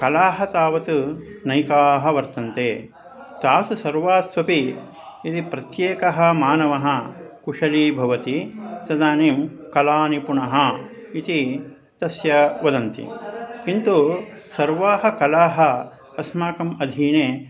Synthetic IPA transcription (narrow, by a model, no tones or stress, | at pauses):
kɐlaːɦɐ̆t̪aːʋɐt̪unɐjkaːɦɐ̆ʋɐɾt̪ɐnt̪eː | t̪aːsusɐɾʋaːsʋɐpi | it̪ipɾɐt̪jeːkɐɦɐ̆maːnɐʋɐɦɐkuʂɐliːbʱɐʋɐt̪it̪ɐd̪aːniːm | kɐlaːnipuɳɐɦɐ | it̪i | t̪ɐsjɐʋɐd̪ɐnt̪ḭkint̪usɐɾʋaːɦɐ̆kɐlaːɦɐ | ɐsmaːkɐmɐd̪ʱiːneː